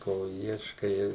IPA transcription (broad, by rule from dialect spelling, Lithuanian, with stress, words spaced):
ˈkoː ˈiɛʃkɐɪ